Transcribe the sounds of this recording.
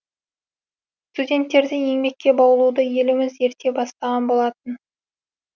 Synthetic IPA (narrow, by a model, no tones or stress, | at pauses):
st̪udʲe̞nt̪ːe̞ɾd̪ɪje̞ŋbe̞kʲːe̞bɑwəlˠud̪əje̞lɪmɪze̞ɾt̪ʰe̞bɑst̪ɑʁɑnbo̞lˠɑt̪ən